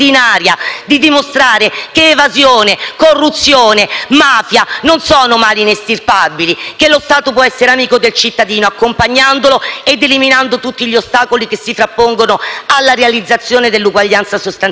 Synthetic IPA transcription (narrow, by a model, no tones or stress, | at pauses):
inaːɾjad̪id̪imost̪ɾaːɾekeːvazjoːnekorːut̪sːjoːnemaːfjanonsɔːnomaːlinest̪irpabilikelost̪aːt̪op̬wɔɛsːeɾeamiːkod̪elt͡ʃit̪ːad̪iːnoakːompaɲːand̪oloed̪ːeliminand̪ot̪ut̪ːiʎost̪aːkolikesːifɾapːoŋɡonoalːaɾealid̪zːat̪sːjoːned̪elːuɡwaʎːant̪sasost̪an